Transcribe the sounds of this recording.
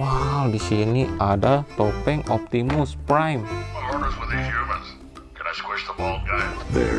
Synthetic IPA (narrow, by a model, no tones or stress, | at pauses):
wawdisiniadat̪opɛŋɔp̚t̪imʊspɾajmmaɪlɔɹnə˞zwɪðiziɹmə̃ns | kʰɛ̃naɪskwɛt͡ʃðəbɔlˠɡaɪðɛ̰